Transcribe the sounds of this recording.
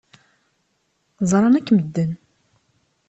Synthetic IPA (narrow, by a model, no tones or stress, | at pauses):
zˤɾˤɑnækːməd̪ːən